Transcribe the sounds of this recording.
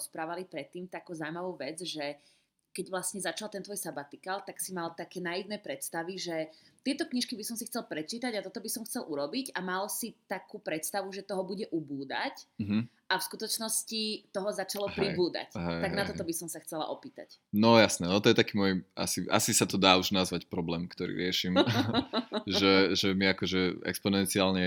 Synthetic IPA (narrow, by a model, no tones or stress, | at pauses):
ɔspɾaːʋalipɾɛt̪ːiːmt̪akuːzawmaʋuːʋɛd͡zʒɛ | kɛɟʋlasɲɛzat͡ʃalt̪ɛnt̪ʋɔjsabat̪ikalt̪aksimalt̪akɛːnaid̪nɛpɾɛt̪st̪aʋiʒɛt̪ɪɛt̪ɔkɲiʃkibisɔmsixt͡sɛlpɾɛt͡ʃiːt̪aɟat̪ɔt̪ɔbisɔmxt͡sɛlʔuɾɔbiɟamalsit̪akuːpɾɛt̪st̪aʋuʒɛt̪ɔɦɔbuɟɛʔubuːd̪a̰c̩ɦ̩ | ʔafskut̪ɔt͡ʃnɔscit̪ɔɦɔzat͡ʃalɔpɾibuːd̪a̰caɦɛt̪aɡnat̪ɔt̪ɔbisɔmsaxt͡sɛla̰ʔɔpiːt̪a̰c | nɔjasnɛnɔt̪ɔjɛt̪akiːmɔja̰sia̰sisat̪ɔd̪aːuʒnazʋacpɾɔblɛːmkt̪ɔɾḭːɾɪɛʃim | ʒɛʒɛmiakɔʒɛɛ̰kspɔnɛnt͡siaːlɲɛ